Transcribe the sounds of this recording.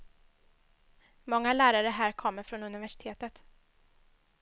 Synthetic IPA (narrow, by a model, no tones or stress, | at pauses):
mɔŋːalæːɾaɾəɦæːɾkʰɔmːəɾfɾɔnɵnɪvæʂɪt̪ʰeːt̪ət̪